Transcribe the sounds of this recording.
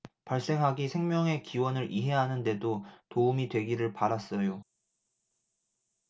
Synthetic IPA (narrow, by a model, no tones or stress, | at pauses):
paɭs͈e̞ŋɦaɡisʰe̞ŋmʲjʌŋe̞kiwʌnɯɾʔiɦe̞ɦanɯnde̞dotoumidwe̞ɡiɾɯɭpaɾas͈ʌjo